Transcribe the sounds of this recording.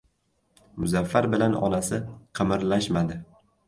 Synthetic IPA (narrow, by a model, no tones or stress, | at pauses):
mʊzafːaɾbɪlanɒ̰nasɪqʰɨmɪɾlaʃmad̪ɪ